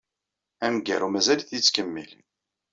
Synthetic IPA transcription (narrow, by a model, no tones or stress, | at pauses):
æmɡæ̰ɾumæzælθit͡sːkəmːḭl